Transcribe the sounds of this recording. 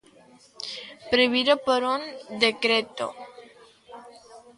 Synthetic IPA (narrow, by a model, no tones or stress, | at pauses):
pɾeβiɾopoɾund̪ekɾet̪o̰